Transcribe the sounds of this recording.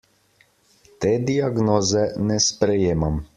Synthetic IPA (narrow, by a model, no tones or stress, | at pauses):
t̪eːd̪iaɡnoːzɛnɛspɾɛjeːmam